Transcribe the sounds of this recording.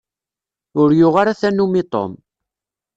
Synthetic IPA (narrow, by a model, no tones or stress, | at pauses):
ʊɾjʊʁaɾaθænumit̪ˤo̰m